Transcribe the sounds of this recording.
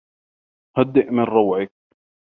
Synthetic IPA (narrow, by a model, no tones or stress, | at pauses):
had̪ːɪʔmɪnɾɑwʕɪk̚